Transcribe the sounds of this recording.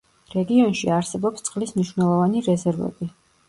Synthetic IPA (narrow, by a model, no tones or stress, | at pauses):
ɾɛɡiɔnʃiaɾsɛbɔpst̪sʼqʼlismniʃwnɛlˠɔvaniɾɛzɛɾvɛ̰bi